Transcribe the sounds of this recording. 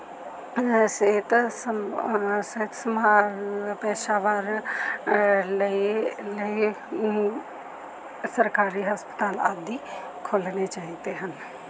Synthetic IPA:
seːt̪s | set̪səmapɛːʃaʋaːɾ | liləi | səɾkaːɾiɦɐspə̥t̪aːla̰ːd̪ʱi | kʰoːlnet͡ʃaːɦit̪eɦən

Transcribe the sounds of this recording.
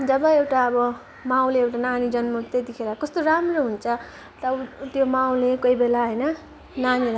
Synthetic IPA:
d͡zʌbʌewʈaʌbʌ | maw̃leewʈananid͡zʌnmut̪et̪ikʰeɾʌkʌst̪oɾamroɦunet͡sʰʌ | t̪ʌt̪jomaw̃lekoibelaɦʌjnʌ | naniɾʌ

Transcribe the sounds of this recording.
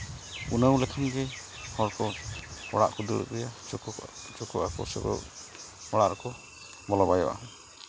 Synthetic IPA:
unəw̃lɛkʰanɡɛhɔɽkɔɔ̰ɽa̰ʔkɔd̪iɽə̰kɾija | t͡ʃɔkɔʔakɔ̰sɔ̰kɔ̰ | ɔɽaʔɾɔkɔ | bɔlɔbajɔ̰ʔa̰

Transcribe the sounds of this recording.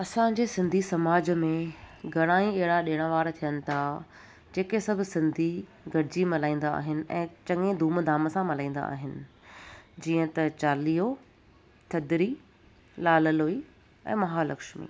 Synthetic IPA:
ɐsãd͡ʑeːsɪ̃nd̪ʱisɐmaːd͡ʑmẽɡʱɐɽ̃aːĩɛɦɪɽaɗɪːɽ̃aʋaːɾt̪ʰijənɪ̆t̪ʰa | d͡ʑeːkesɐbʱʊsɪ̃nd̪ʱi | ɡʱɐɽɪd͡ʑimɐlaːĩːn̆d̪a̰ːɦɪnɪ̆ɛ̰̃ːt͡ɕɐ̃ŋẽd̪ʱuːmd̪ʱaːməsãmɐlãːĩːn̆d̪a̰ːɦɪnɪ̆ | d͡ʑiːə̃t̪ɐt͡ɕaːliːo | t̪ʰɐd̪ɪɾi | laːləloːi | ɛ̰̃ːmɐɦaːlɐkʃmḭː

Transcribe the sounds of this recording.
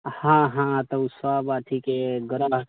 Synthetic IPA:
hãɦãt̪əswabat̪ʰikeɡɾaɦ

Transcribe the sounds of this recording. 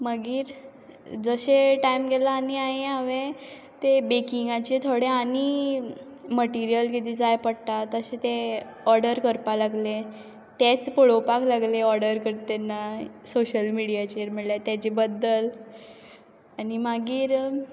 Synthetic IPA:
maɡiːɾ | d͡zəɕeʈaimɡʱelaːniaɦẽaʋẽ | t̪ebekiŋɡat͡ɕet̪ʰoɽeani | məʈiɾijəlkit̪id͡zajpəɽt̪at̪əɕet̪e | ɔɾɽəɾkəɾpalaɡle | t̪et͡spoɭopaklaɡleɔɾɽəɾkəɾt̪enːasoɕəlmiɽijat͡ɕeɾm̤iɭljat̪jat͡ɕebəd̪ːəl | animaɡiːɾ

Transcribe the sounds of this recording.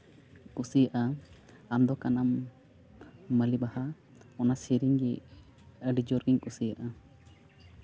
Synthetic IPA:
kusijaʔa | amd̪ɔkanam | əlibaha | ɔnasiɾiɲɡɛ | əɖid͡ʒɔɾɡiɲkʼusijaʔa

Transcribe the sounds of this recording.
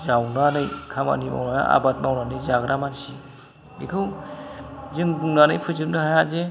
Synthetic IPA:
zawnanɯjkʰama̰nima̰wnana̰a̰bat̚mawnanɯjzaɡɾamansi | bḭkʰɯw | zɯŋbuŋnanɯjpʰɯjzɯp̚nɯɦajaze

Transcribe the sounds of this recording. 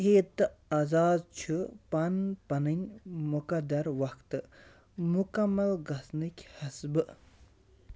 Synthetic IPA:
eːt̪ːɨɐzaːzt͡ʃʰɨpɐnpɐnɨnʲmukɐd̪ɐɾwɐkt̪ɨ | mukɐmːɐlɡɐsnɨkʲhɐsbɨ

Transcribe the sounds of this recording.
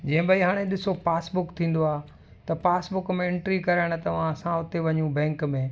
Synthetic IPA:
d͡ʑɐ̃ɦɪ̃baːiɦaːɽ̃ẽɗɪsopaːsbʊkt̪ʰĩːn̆d̪oaː | t̪ɐpaːsbʊkmẽɪ̃ɳʈɾikɐɾəɽ̃ʊ̆t̪ɐʋ̤ãɐsãʊt̪eʋɐɲũbɛ̃ːŋkmẽː

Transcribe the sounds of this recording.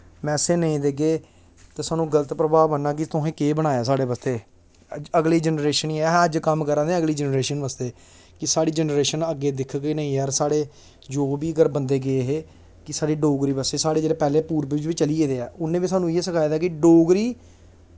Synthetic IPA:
mɛ̃ːseːnəĩːd̪eːɡeː | t̪eːsaːnũːɡələt̪pɾəbaːmənːaːkɪt̪ʊɦẽːkeːbəɽ̃aːjaːsaːɽeːbəst̪eː | əɡliːd͡ʒənɾeːʃəniːɛəd͡ʒkəmkəɾãːd̪ẽːəɡliːd͡ʒənɾeːʃənʋəst̪eː | kɪsaːɽiːd͡ʒənɾeːʃənəɡeːd̪ɪkʰɡiːnəĩːɦɛːɾsaːɽeː | d͡ʒoːbiːəɡəɾbənd̪eːɡeeːɦeː | kɪsaːɽiːɖoːɡɾiːbəseːsaːɽeːd͡ʒeːeːpɛːleːpuːɾbɪɪt͡ʃʋiːt͡ʃəlieːd̪eːɛːʊnːẽːʋiːsaːnũɪeːsəkʰaːjd̪aːkɪɖoːɡɾiː

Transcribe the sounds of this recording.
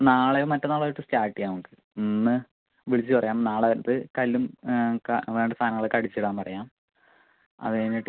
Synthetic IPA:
naːɭejomɐtːɐnaːɭɐʈːɨstaːʈːijaːʋuŋkɨ | nnːɨ | ʋiɭit͡ɕːɨpɐrɐjaːmnaːɭenɐt̪ːɨkɐlːumkʋe̞ːɳɖɐst̪ʰaːnɐŋːɐɭekɐɽit͡ɕːiɽaːmpɐrɐjaːm | ɐ̰ðenːiʈː

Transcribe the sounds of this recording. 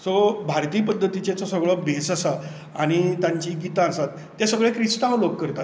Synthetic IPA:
sobʱaɾt̪iːpəd̪ʱːət̪it͡ɕet͡sɔsəɡɭɔbesasa | aɽ̃it̪jãɲt͡ɕiɡit̪ãːsat̪ːjasəɡɭekɾiʂʈ̪aʋloɡkəɾt̪at̪

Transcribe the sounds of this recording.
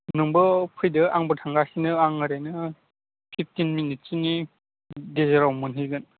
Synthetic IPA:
nuŋbɯpʰɯjdɯʔaŋbɯtʰaŋɡasinɯaŋːɯɾenɯ | pʰip̚ʰtinminit̚sini | dezeɾawmɯnɦɯjɡɯn

